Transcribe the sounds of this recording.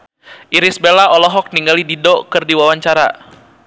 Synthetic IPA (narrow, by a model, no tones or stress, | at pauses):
ʔiɾɪsbelaɔlɔɦɔk̚niŋɡalididɔkɨrdiwawaɲt͡ʃaɾa̰